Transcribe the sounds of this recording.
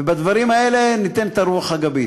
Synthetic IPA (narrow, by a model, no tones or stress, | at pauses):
vebad̪vaɾimae̞le̞nit̪e̞nt̪aɾuaχhaɡabi